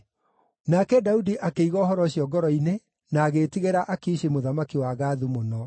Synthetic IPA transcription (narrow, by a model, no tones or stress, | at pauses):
nakɛdaudiʔakeiɣɔːhɔɾɔɕjɔɡɔɾɔine | naːɣetiɣeɾaʔakiʃemoðamakiwaɣaːðumonɔ